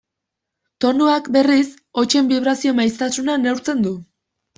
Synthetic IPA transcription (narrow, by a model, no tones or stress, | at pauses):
t̪o̞nuakbe̞ris | o̞t͡ʃe̞mbiβ̞ɾasio̞majst̪asunane̞wɾt͡se̞nd̪u